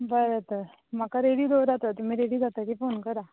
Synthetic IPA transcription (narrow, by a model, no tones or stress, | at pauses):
bəɾət̪ə | makaɾeɽiːd̪oɾat̪at̪um̤iːɾeɽiːd͡zat̪akifonkəɾa